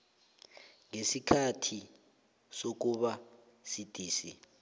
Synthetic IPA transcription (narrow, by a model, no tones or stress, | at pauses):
ŋesikʰatʰi | sok̬uɓa | sid̥ʱʼiːsḭ